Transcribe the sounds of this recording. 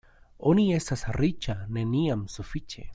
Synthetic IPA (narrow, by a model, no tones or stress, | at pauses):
oniesasarit͡ʃaneniamsufit͡ʃḛ